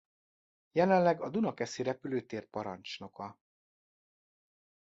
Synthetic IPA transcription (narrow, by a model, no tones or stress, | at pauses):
jɛlɛnlɛɡɒd̪unɒkɛsiɾɛpyløːt̪eːr̚pɒɾɒ̰nt͡ʃno̞kɒ